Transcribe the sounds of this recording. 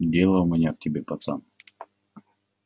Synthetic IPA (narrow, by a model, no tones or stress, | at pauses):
dʲelˠəmʲɪnʲak̚tʲɪbʲepɐt̪sa̰m